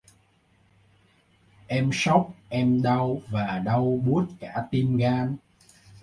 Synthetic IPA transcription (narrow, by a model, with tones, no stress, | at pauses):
ʔɛ˧msɔ˦˥wk͡p̚ʔɛ˧mɗə˧wvaː˨˩ɗə˧wɓu˦˥ət̚kaː˧˩t̪i˧mɣaː˧n